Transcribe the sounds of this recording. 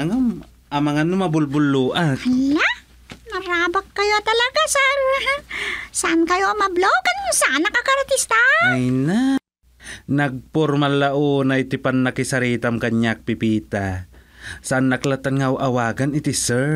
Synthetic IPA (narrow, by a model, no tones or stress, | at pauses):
ɐŋam | ʔɐmɐŋanʊmɐbʊlbʊlːuːʔaɐla | nɐɾaːbakːɐjot̪ɐlɐɡasɛɾ | saʔankɐjomɐbloɡansɐʔanːɐkɐkɐɾt̪ɪst̪aajna | nɐɡ̚poɾmalːaʔuːnaʔɪt̪ɪpanːɐkɪsɐɾiːt̪amkɐɲak̚pɪpiːt̪a | saʔanːɐklat̪anŋawʔɐwaːɡɐnɪt̪isɛ